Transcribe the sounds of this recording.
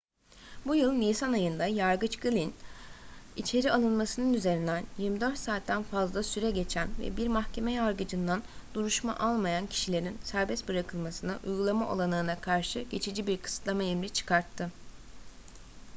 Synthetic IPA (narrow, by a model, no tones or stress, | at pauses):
bujɯlˠnʲijsanajɯnd̪ajaɾɡɯt͡ʃɡɯlʲin | it͡ʃʰe̞ɾialˠɯnmasɯnɯnyze̞ɾind̪ænjiɾmid̪øɾt̪saːt̪ːænfazlˠasyɾɛɟe̞t͡ʃʰænvɛ̰biɾmaxcʰe̞mɛjaɾɡɯd͡ʒɯnd̪and̪̥uɾuʃma̰ʔalˠmajancʰi̥ʃilʲe̞ɾinsæɾbɛst̪bɯɾakʰɯlˠmasɯnɯʔṵjɡulˠamaʔo̰lˠanɯːnakʰaɾʃɯɟ̥e̞t͡ʃʰid͡ʒibiɾkʰɯ̥sɯ̥t̪lˠamaemɾʲit͡ʃʰɯ̥kʰaɾt̪ʰːɯ